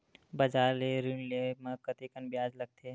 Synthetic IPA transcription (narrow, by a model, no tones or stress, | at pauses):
bɐd͡ʒaːɾleɾinlemə̃kət̪ikənbjaːd͡ʒləɡ̚t̪ʰe